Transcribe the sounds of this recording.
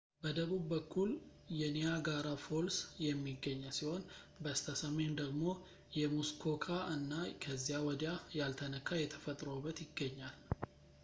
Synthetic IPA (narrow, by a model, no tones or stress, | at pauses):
bəd̪əβubːəkʰːul | jɛnijaɡaɾafo̞lsjɛmːiɡːəɲːəsiho̞n | bəst̪ʰəsəme̞nd̪əɡmo̞ | jɛmuskʰo̞kʰaʔɨnːakʰəzːijawɔd̪jajalt̪ʰənəkʰːajɛt̪ʰəfət̪ʼɾobːət̪jɪɡːəɲːal